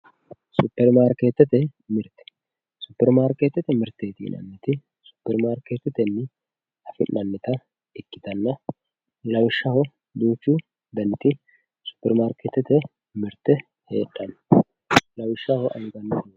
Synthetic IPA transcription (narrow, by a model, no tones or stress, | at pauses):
supːɛɾmaːɾkeːt̪ːɛt̪ɛmɪɾt̪ɛ̥ | sʊpːɛɾmaːɾkeːt̪ːɛt̪ɛmɪɾt̪ːeːt̪ḭːnɐ̰nːɪt̪ɪ | sʊ̥pːɛɾmaːɾkeːt̪ːɛt̪ɛnːɪ | ɐfɪnːʔɐnːɛt̪ɐ | ɪkːɪ̥t̪ɐnːɐ | lɐwɪʃːɐhɔ | d̪uːt͡ʃːu | d̪ɐnːɪt̪ɪ | sʊ̥pːɛɾmaːɾkeːt̪ːɛt̪ɛ | mɪɾt̪ːɛ | he̞̰ːᶑɐnːɐ | lɐwɪʃːɐhɔʔɐjɡɐnːɛt̪